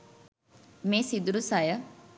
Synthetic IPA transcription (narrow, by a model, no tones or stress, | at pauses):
meːsid̪uɾusajə